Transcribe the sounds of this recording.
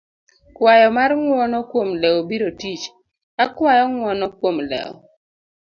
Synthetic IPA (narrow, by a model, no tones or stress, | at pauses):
kwajɔmaɾŋwɔnɔkwomlɛobiɾotit͡ʃ | akwajɔŋwɔnɔkwomlɛ̰ɔ̰